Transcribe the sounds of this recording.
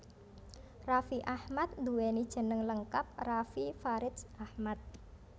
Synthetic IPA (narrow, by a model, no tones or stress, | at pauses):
rafiʔahmat̪̚nd̪uwenid̥ʒ̥ə̤nəŋləŋkap̚rafifaɾɪt̪sahmat̪̚